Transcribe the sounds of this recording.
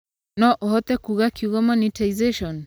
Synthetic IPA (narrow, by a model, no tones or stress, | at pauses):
nɔʔɔɦɔt̪ɛkuɣakjuɣɔmanitaizeʃɔn